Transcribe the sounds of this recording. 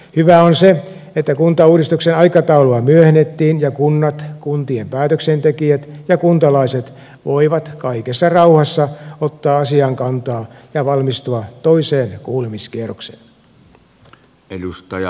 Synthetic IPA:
hyʋæonse | et̪ːækunt̪ɑuːdist̪uksenɑikɑt̪ɑuloɑmyøhenːet̪ːiːnjɑkunːɑt̪kunt̪iempæːt̪øksent̪ekiæt̪jɑkunt̪ɑlɑiset̪ | ʋoiʋɑt̪kɑikesːɑrɑuhɑsːɑot̪ːɑːɑsiɑŋkɑnt̪ɑːjɑʋɑlmist̪uɑt̪o̞iseːnkuːlemiskieroksḛːn | elust̪ɑj

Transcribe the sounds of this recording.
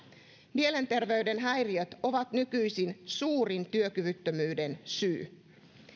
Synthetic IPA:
miele̞nt̪e̞rʋe̞yde̞nɦæjriøt̪o̞ʋɑt̪nykyjsinsuːrint̪yøkyʋyt̪ːømyːde̞nsy̰ː

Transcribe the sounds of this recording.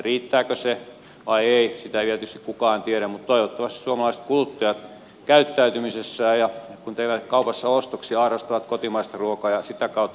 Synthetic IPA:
riːt̪ːæːkøse | ʋɑieisit̪æʋielt̪yst̪i̥kkukɑːnt̪ieɾæmmut̪t̪oiʋot̪ːɑʋɑst̪isuomɑlɑise̥t̪kulut̪ːɑjɑt̪ | kæyt̪ːæyt̪ymisesːæːjɑkunt̪ehʋæt̪kɑupɑsːɑost̪oksiɑːrɑst̪ɑʋɑt̪kot̪imɑist̪ɑruokɑːjɑsit̪ækɑˑut̪ː

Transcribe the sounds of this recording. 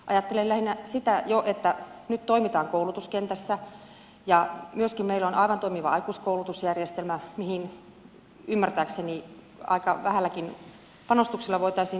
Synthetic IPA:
ʔɑ̰jɑt̪ːelellæhinːæsit̪æjoʔet̪ːænyt̪t̪oimit̪ɑːŋkoulut̪uskent̪æsːæ | jɑmyøskimmeilonɑiʋɑnt̪oimiʋɑ̰ɑikuːskoˑulut̪usjærjest̪elmæmihin | ymːært̪æːkseni | ɑ̰ikɑʋæhælːækin | pɑnost̪ukselːɑʋoit̪ɑisiː

